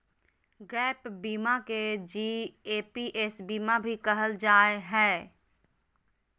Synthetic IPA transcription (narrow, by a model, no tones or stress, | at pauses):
ɡɛːpbiːmaked͡ʒiːeːpiʔesbiːmabʱikəɦəld͡ʒaːeɦɛː